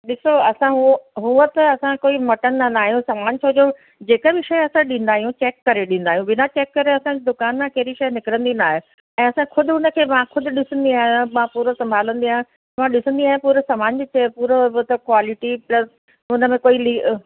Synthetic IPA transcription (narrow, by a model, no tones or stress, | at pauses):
ɗɪsoɐsãɦɦuət̪ɐɐsãkoːimɐʈənːanaːɦijũsamaːɲt͡ɕʰoːd͡ʑo | d͡ʑeːkəbɪʃɐjɐsãɗĩːn̆d̪aːɦijũt͡ɕeːkːɐɾeɗĩːn̆d̪aːɦijũbɪnat͡ɕeːkːɐɾeɐsãd͡ʑid̪ʊkaːnmẽkɛɦɾiʃɐjnɪkɪɾə̃nd̪inaːɦe | ɛ̃ːɐsãxʰʊd̪ʱʊʊnə̆kʰeːmãxʰʊd̪ʱʊ̆ɗɪsə̃nd̪iaːɦjãmãpuːɾosɐ̃mbʱaːlə̃nd̪iaːɦẽ | mãɗɪsə̃nd̪iaːɦjẽpuːɾesaːmaːɲbɪt͡ɕʰeːpuːɾt̪ɐkwaːlɪʈiplɐs | ʊnə̆mẽkoːiliː